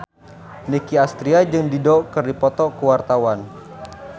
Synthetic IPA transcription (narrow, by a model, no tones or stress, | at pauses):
nikiast̪ɾiad͡ʒɨŋdidɔkərdipɔt̪ɔkəwart̪awan